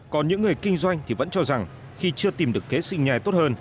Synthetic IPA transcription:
kɔ˨nɲɨ̰˧˥ŋːɨ˨˩əjkï˧ŋ̟zwa˧jŋ̟t̪ʰi˨˩və̰˧˥nt͡ɕɔ˧za˨˩ŋ | xi˧t͡ɕɨ˧ət̪i˨˩mɗɨ˨˩əkːe˨˦sï˧ŋɲaː˧˩jt̪o˦˥t̚həː˧n

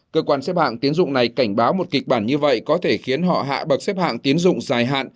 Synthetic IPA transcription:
kəː˧kwaː˧nsɛ˦˥p̚ha̰ː˧˨ŋt̪i˨˦ənzʊ̰˧˨ŋ͡mna˨˩jka˧˩jŋ̟ɓaː˨˦wmo˨˩t̚kï˨˩k̟̚ɓaː˧˩nɲɨ˧və̰˧˨jkɔ˨˦t̪ʰe˧˩xi˨˦ənɦɔ̰˧˨ɦa̰ː˧˨ɓə˨˩t̚sɛ˦˥p̚ha̰ː˧˨ŋt̪i˨˦ənzʊ̰˧˨ŋ͡mzaː˨˩jɦa̰ː˧˨n

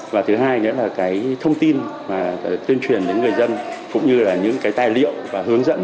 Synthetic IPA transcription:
vaː˨˩t̪ʰɨ˨˦ɦaː˧jnḛ˧˥laː˨˩kaː˨˦jt̪ʰə˧wŋ͡mt̪i˧nmaː˨˩˨t̪wi˧nt͡ɕwi˨˩ənɗḛ˧˦ŋɨ˨˩əjzə˧nkʊ̰˧˥ŋ͡mɲɨ˧laː˨˩ɲɨ̰˧˥ŋkaː˨˦jt̪aː˨˩jlḭ˧˨əwvaː˨˩ɦɨ˨˦əŋzə̰˧˥n

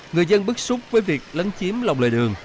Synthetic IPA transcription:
ŋɨ˨˩əjzə˧nɓɨ˦˥k̚su˦˥k͡p̚vəː˨˦jvi˨˩ək̚lə˨˦nt͡ɕi˨˦əmla˨˩wŋ͡mlḛː˧˨˩jɗɨ˨˩əŋ

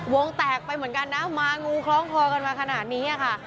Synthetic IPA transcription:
wo˧ŋt̪ɛː˨˩k̚pa˧jmɯ˩˦ənka˧nːa˦˥maː˧ŋuː˧kʰlɔː˦˥ŋpʰɔː˧ka˧nmaː˧kʰa˧naː˨˩t̪̚niː˦˥a˨˩kʰa˥˩ʔ

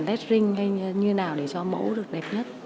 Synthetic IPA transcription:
nlɛ˦˥t̚zï˧ŋ̟ha˧jɲɨ˧naː˨˩wɗe˧˩t͡ɕɔ˧mə̰˧˥wɗɨ˨˩ək̚ɗɛ˨˩p̚ɲə˦˥t̚

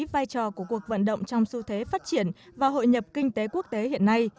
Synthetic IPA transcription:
vaː˧jt͡ɕɔ˨˩ku˧˩əku˨˩ək̚və̰˧˨nɗə̰˧˨wŋ͡mt͡ɕɔ˧wŋ͡msu˧t̪ʰwe˨˦faː˦˥t̚t͡ɕi˧˩ənvaː˨˩ɦo̰˧˨jɲə˨˩p̚kï˧ŋ̟t̪e˨˦ku˦˥ək̚t̪e˨˦hḭ˧˨ənːa˧j

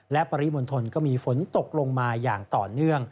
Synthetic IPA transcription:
lɛ˦˥pa˧ɾi˦˥mo˧nt̪ʰo˧nkɔː˥˩miː˧fo˩˦nt̪o˨˩k̚lo˧ŋmaː˧jaː˨˩ŋt̪ɔː˨˩nɯ˥˩əŋ

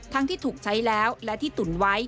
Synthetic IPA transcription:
t̪ʰa˦˥ŋt̪ʰiː˥˩t̪ʰuː˨˩k̚t͡ɕʰa˦˥jlɛː˦˥wlɛ˦˥t̪ʰiː˥˩t̪u˨˩nwa˦˥j

